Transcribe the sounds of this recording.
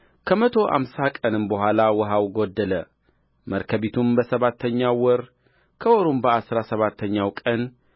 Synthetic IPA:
kʰəmət̪ʰo̞ʔa̰msakʼənɨmbəɦʷalawɔɦawɡod̪ːələ | məɾkʰəβit̪ʰumbəsəβat̪ʰːəɲːawɔɾ | kʰəwɔɾumbəasɾasəβat̪ʰːəɲːawkʼən

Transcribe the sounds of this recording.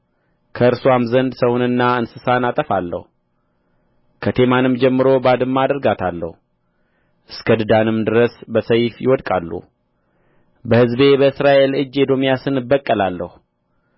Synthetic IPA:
kʰəɨɾsoamzənd̪səwunɨnːaɨnsɨsanat̪ʼəfalːə̰hu | kʰət̪ʰe̞manɨmd͡ʒɛmːɨɾo̞bad̪ɨmːad̪əɾɡat̪ʰalːə̰hu | ʔɨskʰəd̪ɨd̪anɨmd̪ɨɾəsbəsəjfjɪ̰wɔd̪kʼa̰lːṵ | bəhɨzbe̞bəɨsɾaʔe̞lɨd͡ʒːed̪o̞mijasɨnɨbːəkʼːəlalːəhu

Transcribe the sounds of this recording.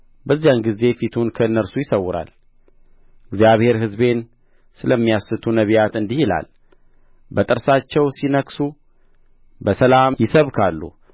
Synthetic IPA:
bəzːijanɡize̞fit̪ʰunkʰəɨnːəɾsujɪsəwːʊɾa̰l | ɨɡzijaβhe̞ɾɦɨzbe̞n | sɨləmːijasɨt̪ʰunəβijat̪ɨnd̪ihila̰l | bət̪ʼɨɾsat͡ʃːɛwsinəksu | bəsəlamjɪsəβkʰalːṵ

